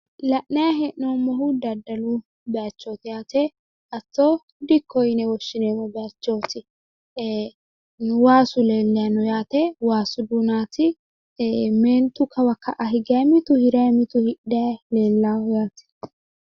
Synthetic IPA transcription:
lɐʔnɐjɐɦɛʔnoːmːɔhud̪ɐd̪ːɐlu | bɛɐt͡ʃːoːt̪ɪjaːt̪ɛ | ʔɐt͡sːoː | d̪ɪkːɔjɪnɛwɔʃːɪneːmɔbɛɐt͡ʃːoːt̪ɪ | waːsʊleːlːɪjanɔjaːt̪ɛwaːsʊd̪unaːt̪ɪ | meːnt̪ʊkʰːɐwɐkʰːɐʔɐɦɪɡɐjɐmɪt̪ʊhɪɾɐjɐmɪt̪ʊhɪʔdɐjleːlːaːjaːt̪ɪ̥

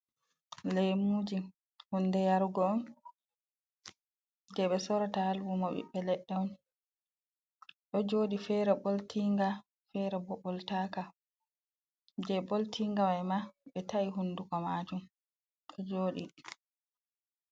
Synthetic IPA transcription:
lejmud͡ʒi | hundɛjaɾɡɔːn | d͡ʒɛɓɛsɔɾatahalwumɔɓḭɓːɛlɛɗːɛɔn | ɗɔd͡ʒoːɗifɛɾɛɓoltiŋɡa | fɛɾɛbɔɓɔltaka | d͡ʒɛboltʰiŋɡawajmaɓɛtaiɦundukɔmad͡ʒum | ɗɔd͡ʒoːɗi

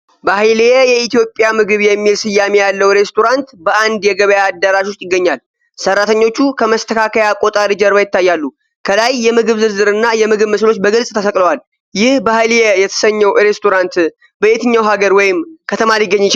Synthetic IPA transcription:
bahlɛjɛit̪ijo̞pʼːjamɨɡɨβjɛmːilsɨjːamejalːəwɾe̞st̪ʰo̞ɾant̪bəʔand̪jɛɡəβəjaːd̪ːəɾaʃwʊst̪ʼjɪɡːəɲːal | sərːat̪ʰəɲːo̞t͡ʃːukʰəməst̪ʰəkʰakʰəjakʼo̞t̪ʼaɾid͡ʒəɾβajɪt̪ːajːalːu | kʰəlajːɛmɨɡɨβzɨzɨɾɨnːajɛmɨɡɨβməslo̞t͡ʃːbəɡɨlsʼt̪ʰəsəkʼləwal | jɪhbahɨljɛjɛt̪ʰə̥səɲːɛwɾe̞st̪ʰo̞ɾant̪ | bəet̪ɨɲːawɦaɡəɾwɔjɪmkʰət̪ʰəmaɾjɪɡːəɲːɪt͡ʃ

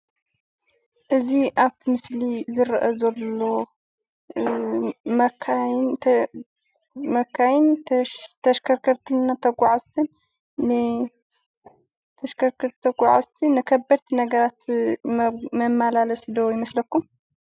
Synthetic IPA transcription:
ʔɨziʔaβt̪ʰimɨslizɨɾʔɐzɐlːo̞ | mɐkʰa | mɐkʰːajɪnt̪ʰɐʃkʰɐɾkʰɐɾt̪ʰɨnnːat̪ʰɐɡʷʼaʕazt̪ʰɨnː | ɨ | t̪ʰɐʃkʰɐɾkʰɐɾt̪ʰɐɡʷʼaʕazt̪ʰinːɨkʰɐbːɐɾt̪ʰinɐɡɐɾat̪ | mɐmːalalɐsd̪ɐwjɪmɐslɐkːum

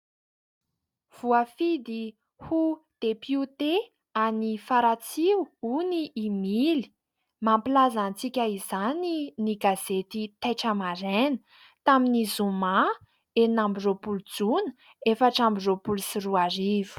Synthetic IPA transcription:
v̥uafid̪i | hud̪̥epjut̪e | anifaɾat͡siwuniːmili̥ | mampilazant͡sikʲəizaniniɡaz̥et̪it̪ajʈ͡ʂəmaɾenə̥ | t̪aminizuma | enambiropulud͡zunə̥ | efaʈ͡ʂambiropulusiruaɾivu̥

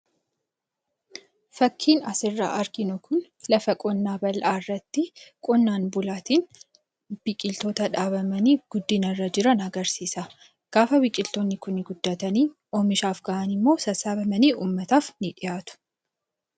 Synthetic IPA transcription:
fɐkʰːiːnɐsɪrːa̰ːʔɐɾɡɪnʊkʊn | lɐfɐkʼɔnːaːbɐlʔaːɪrːɐt̪ːɪkʼɔnːaːnbʊlaːt̪iːn | b̥ɪkʼɪlt̪oːt̪ɐᶑaːbɐmɐniːɡ̥ʊd̪ːɪnɐrːɐd͡ʒɪɾɐnɐɡɐɾsiːsɐ | ɡ̥aːfɐwɪkʼɪlt̪ɔnːɪkʊnːɪɡʊd̪ːaːt̪ɐniː | ʔɔmɪʃaːfɡɐʔɐnɪmːoːsɐsaːbɐmɐniːuːmːɐt̪aːfnɪᶑɪjaːt̪ʊ̥

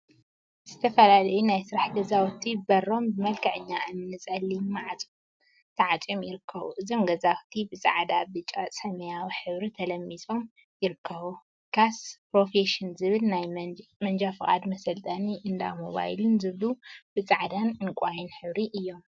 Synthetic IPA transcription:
z̥ɨt̪ʰɐfɐlalɐjunajsɨɾaħɡɐzawt̪ʰibɐɾo̞mbɨmɐlkʰɐʕɨɲːaʔɨnːɨnɨt͡sʼɐlːimaʕat͡sʼ | t̪ʰɐʕat͡sʼomjɪɾɨkʰːɐβṵʔɨzo̞mɡɐzawt̪ʰibɨt͡sʼa̰ʕd̪abɨt͡ʃʼasʼɐmɐjawiħɨβɾit̪ʰɐlɐmːiso̞m | jɪɾɨkʰːɐβu | kʰaspɾo̞feʃɪnzɨβɨlnajmɐnd͡ʒafɨχʼa̰d̪mɐsɐlt̪ʼɐniʔɨnd̪a̰moβa̰jlɨnzɨβlub̥ɨt͡sʼaʕd̪anɨnkʷʼajinħɨβɾiʔɨjːo̞m

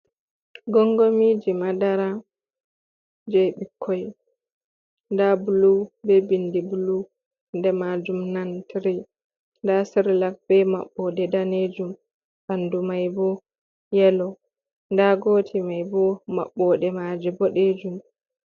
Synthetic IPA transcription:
ɡɔŋɡomiːd͡ʒimadaɾa | d͡ʒeɓikʰːɔj | ndabulubɛbindibulu | ndɛmad͡ʒumnantʰiɾi | ndasiɾlak̚b̥ɛma̰ɓːɔdɛdaned͡ʒum | bandumajbɔ | jɛlɔ | ndaɡoːtʰimajbɔma̰ɓːɔɗɛmad͡ʒɛbɔɗed͡ʒum

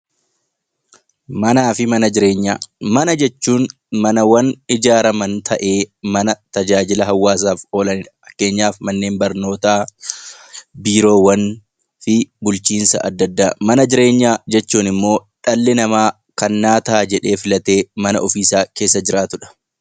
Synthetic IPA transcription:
mɐnaːfɪmɐnɐd͡ʒɪɾe̞ːɲːa̰ːmɐnɐd͡ʒɛt͡ʃːuːn | mɐnɐwɐnɪd͡ʒaːɾɐmɐnt̪ʰɐʔe̞ːmɐnɐt̪ɐd͡ʒaːd͡ʒɪlɐɦɐwːaːs̬aːfo̞ːlɐnɪᶑɐ̥ɐkːe̞ːɲːaːfmɐnːe̞ːmbɐɾno̞ːt̪aː | biːɾo̞ːwɐn | fɪbʊlt͡ʃiːnsɐ̰ʔɐd̪ːɐd̪ːaːmɐnɐd͡ʒɪɾe̞ːɲːaːd͡ʒɛt͡ʃːuːnɪmːo̞ːᶑɐlːɪnɐmaː | kɐnːaːt̪aːd͡ʒɛᶑe̞ːfɪlɐt̪e̞ːmɐnɐʔɔfiːsaːke̞ːsːɐd͡ʒɪɾaːt̪ʊᶑɐ̥

